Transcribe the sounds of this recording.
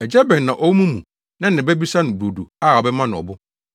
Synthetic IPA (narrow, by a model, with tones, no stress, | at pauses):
ɛ˨d͡ʑɛ˦bɛ̃˨nːã˨ʔɔ˦wmũ˦mũ˨ | nã˦nɪ̃˨bɛ˦bi˦sa˦nʊ̃˨bɾo˨du˨a˦˨ɔ˨bɛ˦mã˦nʊ̃˨ɔ̰˨bʊ˦